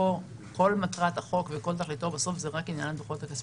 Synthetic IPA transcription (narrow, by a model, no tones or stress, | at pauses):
o | ko̞lmatʁat̪aχo̞kveko̞lt̪̬aχlit̪o̞baso̞fzeʁakinjanandχot̪akas